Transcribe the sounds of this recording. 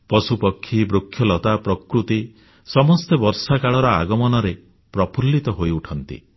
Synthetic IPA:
pɔsupɔkʰːibɾokʰːjɔlɔt̪apɾɔkɾut̪i | sɔmɔst̪ebɔɾsakaɭɔɾɔaɡɔmɔnɔɾe | pɾɔpʰulːit̪ɔɦojuʈʰɔnt̪ḭ

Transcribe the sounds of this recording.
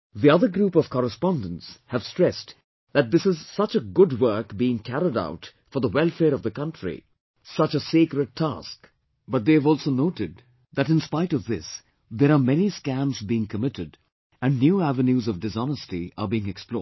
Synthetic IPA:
ðiʌðəɡɾupɔv̥kʰɔɾəspɑ̃ndə̃n̩tshæv̥stɹ̥ɛst | ðæt̚d̪ɪsɨzsʌt͡ʃəɡʊdwɜ˞kbiɪ̃ŋkʰæɾida̰ʊt | fɔ˞ðəwɛlˠfɛːɾʌvðəkʌ̃ntɹḭ | sʌt͡ʃəsekɾɨd̚tʰæ̰sk | b̥ʌt̚d̪eɪvɔlˠsonoʊɾɨd̪̚ | ðæɾɨ̃nspaɪɾʌvðɪs | ðɛɾamɛniskæ̃mzbiɪ̃ŋkʰəmɪɾɨd | æ̃nnjuːævə̃njuzʌvdɨsɑnəstiə̰biɪ̃ŋɛksplɔ̰ː

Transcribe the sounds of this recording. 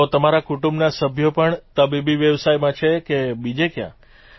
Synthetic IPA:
ot̪əmaɾakuʈũmbnasəbʱjopəɳt̪əbibiʋjəʋsajmãt͡ʃʰekebid͡ʒekjã̰

